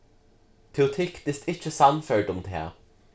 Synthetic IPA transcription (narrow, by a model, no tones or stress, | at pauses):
t̪ʰɛʊt̪ʰɪkt̪ɪst̪ɪçəsɑnfœɖʊmd̪ḛ